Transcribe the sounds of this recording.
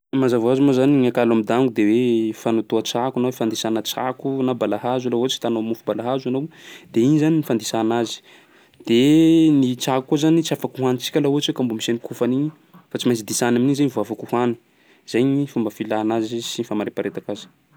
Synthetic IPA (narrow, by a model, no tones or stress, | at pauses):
mazavazumazaniɲakalamid̪aŋɡud̪ewefanut̪uat͡sakanawefand̪isanət͡sa̰kunabalaɦazalauat͡si̥t̪anomufubalaɦazanowd̪̥einizaninifand̪isanazi̥ | d̪̥enit͡sakukːuzanit͡siafakuɦanit͡si̥kʲalaɦuat͡sekambumisanikʰufaniɲi | fat͡simajt͡sid̪isanaminizejɲivoafakuhani̥ | z̥ajɲifumbəfilaːnazzisinifamaɾepaɾet̪akazi̥